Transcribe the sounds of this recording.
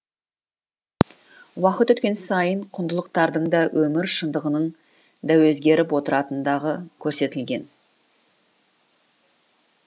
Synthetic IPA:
wɑqət̪ɵt̪kʲe̞nsɑjəɴqʰʊnd̪əlˠəq̚t̪ɑɾd̪əɴd̪ɑwʔɵmɪɾʃənd̪əʁənəɴ | d̪æwɵzɡʲe̞ɾɪpwo̞t̪əɾɑt̪ənd̪ɑʁəkʲʰɵɾse̞t̪ɪlɡʲe̞n

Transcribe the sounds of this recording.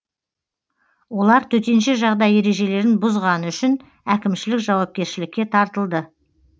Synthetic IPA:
wo̞lˠɑɾt̪ʰɵt̪e̞nʃeʒɑʁd̪ɑje̞ɾe̞ʒe̞le̞ɾɪnbʊzʁɑnəʏʃɪn | ækʲɪmʃɪlɪkʒɑwɑp̚kʲe̞ɾʃɪlɪkʲːe̞t̪ʰɑɾt̪əlˠd̪ə

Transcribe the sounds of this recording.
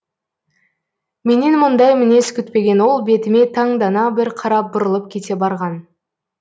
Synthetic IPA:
me̞nenmʊnd̪ɑjmɪne̞skʲʏt̪pe̞ɡʲe̞nwo̞lˠbe̞t̪ɪme̞t̪ʰɑɴd̪ɑnɑbɪɾqʰɑɾɑp̚bʊɾəlˠəp̚kʲʰe̞t̪e̞bɑɾʁɑn

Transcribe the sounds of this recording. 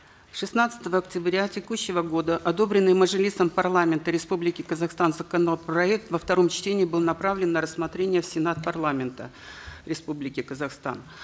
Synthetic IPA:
ʂɨsnat̪sə̥t̪əvəːktʲɪbɾʲatʲɪkuɕːɪvəɡo̞d̪əʔɐd̪o̞bɾʲɪnːɨjməʐɨlʲit̪səmpɐrlˠamʲɪnt̪əɾʲɪspublʲɪkʲɪkəzɐxst̪anzəkɐnopɾɐɛk̚t̪vəft̪ɐɾo̞mt͡ɕtʲenʲɪːbɨlˠnɐpɾavlʲɪnːəɾəsːmɐt̪ɾʲenʲɪjəfsʲɪnat̪pɐrlˠamʲɪnt̪ə̰ | ɾʲɪspublʲɪkʲɪkəzɐxst̪a̰n

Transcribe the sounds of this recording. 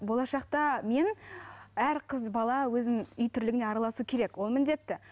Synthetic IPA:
bo̞lˠɑʃɑq̚t̪ɑme̞n | æɾqʰəzbɑlˠɑwɵzɪŋʏjt̪ʰʏɾlɪɡɪne̞ɑɾɑlˠɑsukʲʰe̞ɾe̞kwo̞lˠmɪnd̪e̞t̪ːɪ

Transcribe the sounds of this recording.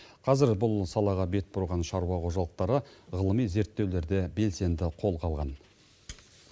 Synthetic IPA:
qʰɑzɪɾbʊlˠsɑlˠɑʁɑbe̞t̪̚bʊɾʁɑnʃɑɾuwɑqʰo̞ʒɑlˠəq̚t̪ɑɾəʁəlˠəmijze̞ɾt̪ːe̞wle̞ɾd̪e̞be̞lse̞nd̪ɪqʰo̞lˠqʰɑlˠʁɑ̰n

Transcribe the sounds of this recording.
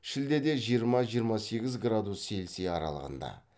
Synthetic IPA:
ʃɪld̪e̞d̪e̞ʒijəɾmɑʒijəɾmɑse̞ɡʲɪzɡrad̪usːe̞lseɑɾɑ̰lˠə̰ʁə̰nd̪ɑ̰

